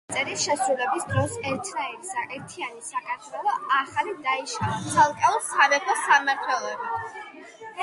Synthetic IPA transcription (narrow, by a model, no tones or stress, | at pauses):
sʼɛɾisʃɛsɾulɛbisd̪ɾɔsɛɾt̪ʰnaɛɾisaʔɛɾt̪ʰianisakʼaɾt̪ʰwɛlˠɔaχalid̪aiʃavat̪sʰalˠkʼɛusaɾɛkʰɔsamaɾt̪ʰwɛlˠɔba